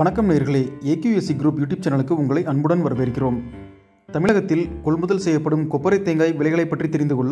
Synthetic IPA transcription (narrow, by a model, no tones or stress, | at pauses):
ʋɐnɐkːɐmneːɾɣɐɭeːeːkjuːɛsiɡɪɾuːpjuːʈːjuːb̚t͡ʃɛnːɐɭɯkːɯʊŋɡɐɭɐɪʔɐnbɯɽɐnʋɐɾɐʋeːɾkːɪroːm | t̪ɐmɪɭɐɣɐt̪ːɪlkɔɭmɯðɐlsɛjːɐpːɐɽɯmkɔpːɐɾɐɪt̪ːeːŋɡaːɪʋɪɭɐɪɣɐɭɐɪpːɐʈrit̪ːɛɾɪnd̪ɯkɔɭː